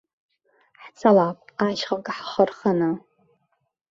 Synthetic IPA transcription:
ħt͡sʰalapʼaʃχakʼħχərχana

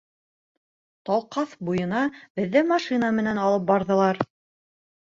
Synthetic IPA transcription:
t̪ɑlˠqɑθbujɤ̆nɑbɘ̆ðːæmɑʃinəmɘ̆nænɑlˠɤp̚bɑɾðɤ̆lˠɑɾ

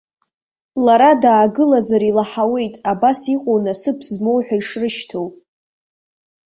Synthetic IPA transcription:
laɾadaːɡɨlazaɾilaħawe̞jtʼabasiqʼownasɨpʰzmo̞wħʷᶣaiʂrɨʃtʰowp

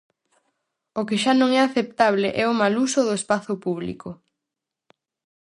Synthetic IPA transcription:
ʊkɪʃanõŋɛaθept̪aβleʔɛʊmalusʊðʊespaθʊpuβlḭkʊ

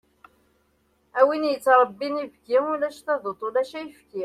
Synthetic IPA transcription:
æwinjət͡sːɾˤəbːinivɡiʊlæʃθæðˤot̪ˤːolæʃæjəfki

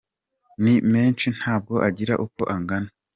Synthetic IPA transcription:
nime̞ːnt͡ʃin̥haːb̚ɡo̞ʔaɟiɾaʔuko̞̰ʔaŋɡana

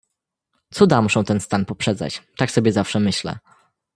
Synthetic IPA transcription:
t̪sud̪amuʂɛ̃w̃t̪ɛnst̪anpɔpʂɛd̪za̰t͡ɕt̪aksɔbʲjɛzafʂɛmɘɕlɛ̰

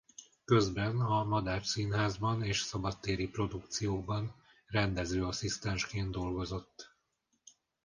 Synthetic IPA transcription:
kø̞zbɛnɒmɒd̪aːrsinɦaːzbɒneːʃsɒbɒt̪ːeːɾipro̞d̪ukt̪sijoːbɒn | rɛnd̪ɛzøːɒsist̪ɛnʃkeːnd̪o̞lɡo̞zo̞t̪ː

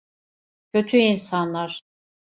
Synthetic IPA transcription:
cʰøt̪ʰyinsanlˠaɾ̥

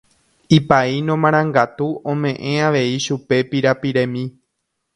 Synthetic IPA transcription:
ipainõmãɾ̃ãŋɡat̪uõmẽ̞ʔẽ̞aʋe̞iʃupe̞piɾapiɾẽ̞mĩ

